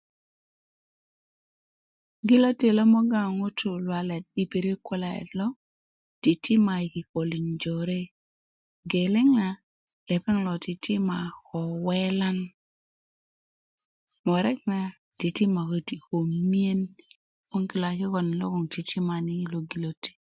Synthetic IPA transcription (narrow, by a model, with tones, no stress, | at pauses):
ɡi˦lo˦te˨lɔ˦mɔ˦ɡa˦˨ŋo˦tʰu˨lwa˨lɛ˨t̚i˨pe˨ɾe˦kwɔ˦la˨ɛ̰˨lɔ˦ | ti˨ti˦ma˨ki˨ko˨li˨nd͡ʒo˨ɾe˦ | ɡe˨le˦ŋa˨ | lɛ˨pɛ˦ŋlɔ˨ti˨tʰi˦ma˨kɔ˨wɛ˦la˦n | mɔ˨ɾɛ˦k̚na˨ | ti˨ti˦ma˨ko˨ti˨ko˨mi˦e˦n | ko˦ŋki˨la˨kɪ˦kɔ˨n˨lo̰˦kɔ˨ŋti˨tʰi˦ma˨ni˦lo˨ɡi˨lo˦te̥˨